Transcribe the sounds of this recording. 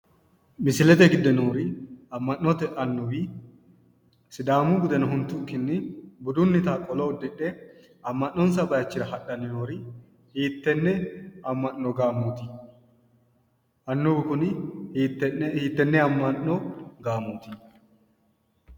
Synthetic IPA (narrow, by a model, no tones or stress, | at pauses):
mɪsɪlɛt̪ɛɡɪd̪ːɛnoːɾɪɐmːɐnʔːɔt̪ɛʔɐnːʊbi | sɪd̪aːmuɡʊd̪ɛnɐɦʊnt̪ːʊŋkɪnːɪbʊd̪ʊnːɪt̪aːkʼɔlɔʊd̪ɪᶑːɛ | ɐmːɐnːɔns̬ɐbɐjɐt͡ʃːɪɾɐhɐɗɐnɪnoːɾɪ | hiːt̪ːɛnːɛɐmːɐnːɔɡaːmuːt̪ɪ | ɐnːʊbɪkʊnː | ɛhiːt̪ːɛnːɛɐmːɐnːɔɡaːmuːt̪ɪ